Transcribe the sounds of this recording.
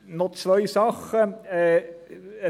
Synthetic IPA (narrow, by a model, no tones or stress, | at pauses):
nɔt͡svœɪsɑχəɛ